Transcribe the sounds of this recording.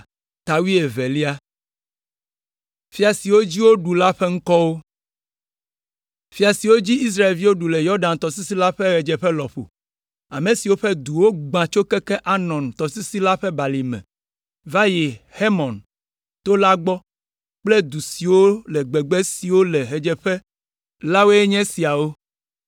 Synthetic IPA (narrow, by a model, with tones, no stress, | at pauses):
t̪a˨wi˦e˨ve˨li˦a˦ | fi˦a˨si˨wo˦d͡ʑi˦wo˦ɖu˨la˦ɸe˦ŋ̩˦kɔ˦wo˦ | fi˦a˨si˨wo˦d͡ʑi˦i˦s̬ɾa˦e˨lvi˦wo˦ɖu˨le˨jɔ˦ɖã˨nt̪ɔ˨si˦si˦la˦ɸɛ˦ɣɛ˨d͡ʒɛ˨ɸɛ˦lɔ˨ɸo̰˨ | a˨mẽ˨si˨wo˦ɸe˦d̪u˨wo˦ɡ͡bã˨t͡ʃo˦kɛ˦kɛ˦ʔa˦nɔ̃˨nt̪ɔ˨si˦si˦la˦ɸɛ˦ba˨li˨mɛ̰̃˨ | va˦je˨he˦mɔ̃˨n | t̪o˦la˦ɡ͡bɔ˦ | k͡plɛ˦d̪u˨si˨wo˦lɛ˨ɡ͡bɛ˨ɡ͡be˦si˨wo˦lɛ˨ɦe˨d͡ʒɛ˨ɸɛ˦ | la˦wo˦e˦ɲɛ̃˦si˨a˨wo˦